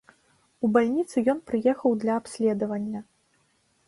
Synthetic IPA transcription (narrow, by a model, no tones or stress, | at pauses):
ubalʲnʲit̪sɨjɔnpɾɨjɛxɐwd̪lʲɐapsʲlʲɛd̪ɐvɐnʲːɐ